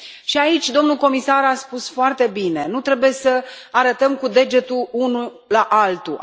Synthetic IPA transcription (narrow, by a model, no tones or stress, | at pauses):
ʃiait͡ʃʲd̪o̞mnuko̞misaɾaspusfoart̪e̞bine̞nut̪ɾe̞buje̞səaɾət̪əmkud̪e̞d͡ʒe̞t̪uunu | laʔalt̪u